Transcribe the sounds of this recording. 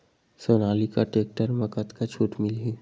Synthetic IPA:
soːnaːlikaʈeːk̚ʈəɾməkət̪kat͡ʃʰuːʈmɪlɦi

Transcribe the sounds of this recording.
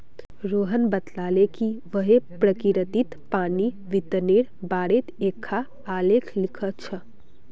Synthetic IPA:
ɾoɦənbət̪lalekiʋəɦepɾəkiɾət̪it̪pani | ʋit̪əneɽbaɽet̪ekʰːaː | lekʰlikʰət̪t͡ʃʰə

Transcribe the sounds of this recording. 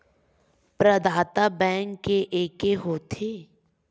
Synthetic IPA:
pɾəd̪ʱaːt̪abɛ̃ːŋkːeʔeːkeɦoːt̪ʰeː

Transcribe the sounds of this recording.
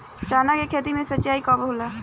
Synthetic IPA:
t͡ʃaːnakekʰeːt̪̬imẽsətːt͡ʃːaːikɔːbʱoːla

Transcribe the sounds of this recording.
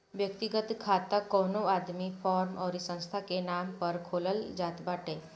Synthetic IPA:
ʋjəkt̪iɡət̪kʰat̪akɔnoad̪mifɔɾmɔːɾisə̃w̃st̪ʰakenampəɾkʰoləld͡ʒat̪baʈe

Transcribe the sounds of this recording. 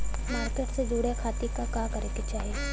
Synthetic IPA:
maːɾkeːʈsed͡ʒuːɽekʰaːt̪ikakaːkɐɾeket͡ʃaːɦie

